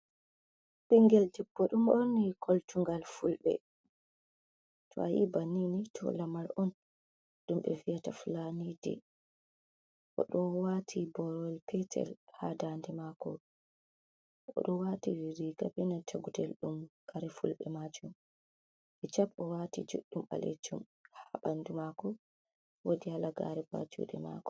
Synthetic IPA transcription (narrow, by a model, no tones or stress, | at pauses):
ɓiŋɡɛldɛbːɔɗumʔonːikʰoltuŋɡalfulɓɛ̰ | tʰɔ̰ajḭbaninitʰɔ̰lamalʔɔn | ɗumɓɛ̰vijataflanidɛ̰ | ʔɔ̰ɗɔwatʰibɔɾɔwɛlpɛtʰɛ̰lhadandɛmakɔ | ʔʔɔ̰ɗɔwatiwiɾiːɡabɛnatʰaɡudɛlɗumkʰaɾɛfulɓɛmad͡ʒum | ɓɛt͡ʃapɔwatid͡ʒṵɗːuma̰lḛd͡ʒum | haɓandumakɔ | wodihalaɡa̰ɾɛba̰d͡ʒṵːɗɛma̰kɔ̥